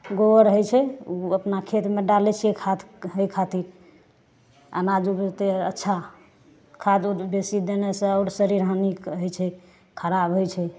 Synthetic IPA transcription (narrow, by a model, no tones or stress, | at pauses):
ɡowəɾɦojt͡ʃʰɛuəpnakʰet̪meɖalɛt͡ʃʰijekʰat̪ɦəjkʰat̪iɾ | a̰nad͡ʒut̪eətːʃʰa | kʰad̪ubesid̪enesə̃ɔʊɾsəɾiɾɦənikɦojt͡ʃʰɛ | kʰəɾabɦojt͡ʃʰɛ